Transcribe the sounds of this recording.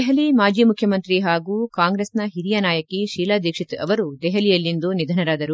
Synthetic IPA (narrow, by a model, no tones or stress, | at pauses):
ɛɦɐlimaːd͡ʒiːmukʰjɐmɐnt̪ɾiɦaːɡuːkaːŋɡɾeːsnɐɦiɾijanaːjɐkiʃiːlaːd̪ʱeːkʂit̪ɐʋɐɾud̪ɛɦɐlijɐlːind̪unid̪ʱɐnɐɾaːd̪ɐɾu